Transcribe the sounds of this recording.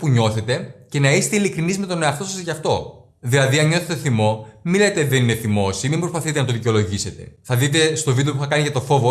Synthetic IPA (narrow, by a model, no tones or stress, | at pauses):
puɲo̞θe̞t̪e̞ce̞nɐiset̪eilikɾinizme̞t̪o̞ne̞ɐft̪o̞sɐzʝɐft̪o̞ | ðilɐðiɐnɲo̞θe̞t̪eθimo̞milɐt̪et̪iðe̞nine̞θimosimimbɾo̞spɐθit̪enɐt̪o̞ðiceolo̞ʝise̞t̪e̞θɐðit̪̬e̞st̪o̞vid̪eo̞puxθɐkɐniʝɐt̪o̞fo̞vo